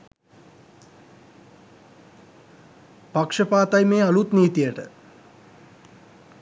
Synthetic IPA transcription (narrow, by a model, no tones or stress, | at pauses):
pakʂəpaːt̪ajmeːalut̪niːt̪ijəʈə̰